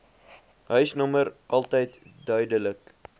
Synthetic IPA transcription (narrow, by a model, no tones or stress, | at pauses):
ɦœɥsnɔməɾʔɐlˠtəjtdœɥdələk